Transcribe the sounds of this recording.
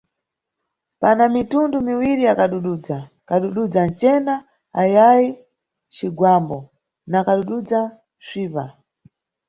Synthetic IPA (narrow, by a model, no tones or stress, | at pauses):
panamitundumiwiɾiakaɗuɗud͡za | kaɗuɗud͡zan̩t͡ʃɛna | ajaji | t͡ʃiɡwambɔ | nakaɗuɗud͡za | sʷiːpa